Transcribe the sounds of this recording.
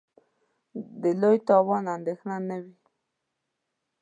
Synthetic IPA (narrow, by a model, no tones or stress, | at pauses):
d̪əlojt̪ɑwɑnand̪exnanəwi